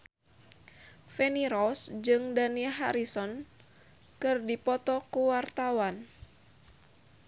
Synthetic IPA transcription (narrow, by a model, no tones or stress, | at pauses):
fɛniɾɔsd͡ʒɨŋdaniɦa̰ɾisɔn | kɨrdipɔt̪ɔkuwart̪awan